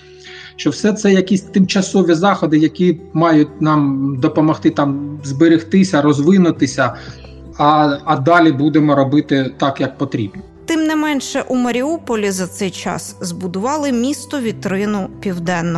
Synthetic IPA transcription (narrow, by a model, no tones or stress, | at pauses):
ʃt͡ʃɔwsɛt̪sɛjɐkʲisʲt̪ɪmt͡ʃɐsɔʋʲizɑxɔd̪ɪjɐkʲimɑjʊtʲnɑmd̪ɔpɔmɔxt̪ɪt̪ɑmzbɪɾʲɪxt̪ɪsʲɐɾɔzʋɪnʊt̪ɪsʲɐ | ɐːd̪ɑlʲibud̪emɔɾɔbɪt̪ɪt̪ɑkjɐk̚pɔt̪ɾʲḭbnɔt̪ɪmnɪmɛnʃɛʔumɐɾʲiupɔlʲizɐt̪sɛjt͡ʃɑ̰szbʊd̪ʊʋɑlˠɪmʲist̪ɔʋʲit̪ɾɪnʊpʲiwd̪ɛnːɔ